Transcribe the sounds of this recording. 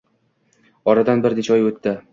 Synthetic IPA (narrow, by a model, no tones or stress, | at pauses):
ɒɾad̪anbɪɾnet͡ʃʰaɒjɵt̪ʰːɪ